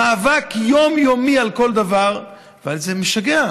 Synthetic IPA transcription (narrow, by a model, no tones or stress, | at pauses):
aːvakjo̞mjomialko̞ld̪avaʁ | valzemiʃaɡea